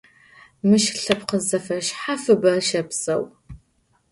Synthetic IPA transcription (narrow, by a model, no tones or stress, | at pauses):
mɨʃɬɐpqəzɐfɐʃħafɨbɐrʃɐpsɐw